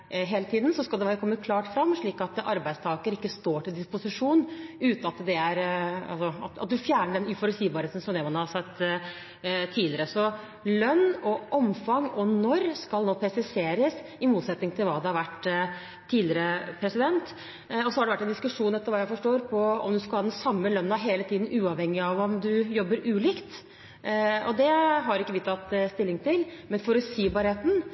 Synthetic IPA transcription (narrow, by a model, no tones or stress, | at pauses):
ɦeːlət̪ʰiːd̪n̩sɔskɑld̪ɛʋɾəkʰɔmːəkʰlɑːʈfɾɑmːʂɭiːkɑt̪ɑɾbæɪd̪st̪ʰɑːɡəɾɪkːəst̪oːʈɪld̪ɪspʊsɪʂuːnʉːt̪nɑt̪d̪ɛæɾɑ̰lsɔɑ̰t̪ɑt̪̚d̪ʉfjæːɳəɖɛnʉfɔɾʉt̪siːbɑɾheːt̪n̩sɔmd̪ɛːmɑnhɑsɛt̪ː | t̪ʰiːlɪəɾəsɔ | lœnːɔʔɔmfɑŋɔnɔɾskɑlnoːpʰɾɛsɪseːɾəsɪmuːt̪sɛt̪nɪŋt̪ʰɪlʋɑːd̪ɛhɑɾʋæʈː | t̪ʰːiːd̪lɪɾəpʰɾɛsɪd̪ɛnt̪ | ɔsɔhɑɾɖɛʋæʈːɛnd̪ɪskʉʂuːnɛt̪ːəɾʋɑːjæɪfɔʂʈoːɾpʰɔɔ̰md̪ʉskɑlhɑːd̪ɛnsɑmːəlœnːnɑɦeːlət̪ʰiːd̪n̩ʉːɑʋhɛŋːɪɑʋɔmd̪ʉjɔbːəɾʉːliːkt̪ | ɔd̪ɛɦɑɾɪkːəʋɪt̪ʰɑt̪ːst̪ɪlːɪŋt̪ʰɪlmɛnfɔɾɔsiːbɑːɾheːt̪n̩